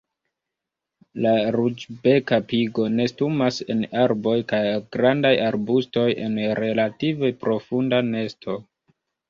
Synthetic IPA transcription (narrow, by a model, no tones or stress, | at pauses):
laɾud͡ʒbe̞kapiɡo̞ne̞stumase̞naɾbo̞jkajɡɾandajaɾbusto̞jʔe̞nɾe̞lative̞pɾo̞fundane̞stʰo̞